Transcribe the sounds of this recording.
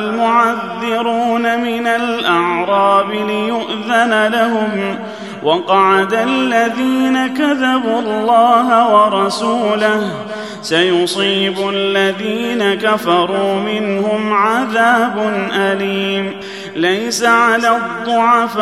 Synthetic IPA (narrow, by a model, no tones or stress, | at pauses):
lmʊʕaðːɪɾuuːnamɪnalʔɑʕɾˤɑːbɪlɪjʊʔðanalaɦʊm | wʔɑqɑʕad̪alːaðiːnakaðabuːɑlˤːɑːɦawɑɾˤɑsuːlah | sajʊsˤiːbʊalːaðiːnakafɑɾˤuːmɪnhʊmʕaðaːbʊnʔaliːm | lajsaʕalaːd̪ˤːʊʕaf